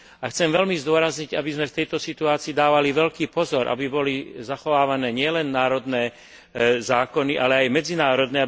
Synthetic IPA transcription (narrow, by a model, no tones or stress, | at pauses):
axt͡sɛmʋɛlmizd̪ʊɔɾazɲiɟabizmɛft̪ɛjt̪ɔsit̪uaːt͡siːd̪aːʋaliʋɛlkiːpɔzɔɾʔa̰bibɔlizaxɔʋaːʋanɛːɲɪɛlɛnːaːɾɔd̪nɛː | zaːkɔniʔalɛajmɛd͡zinaːɾɔd̪nɛa